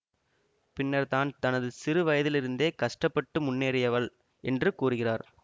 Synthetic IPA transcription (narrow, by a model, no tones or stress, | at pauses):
pɪnːɐɾt̪aːnt̪ɐnɐðɯsɪɾɯʋɐjɐðɪlɪɾɯnd̪eːkɐʂʈɐpːɐʈːɯmʊnːeːɾɪjɐʋɐɭ | ɛndrɯkuːrɯɣɪraːɾ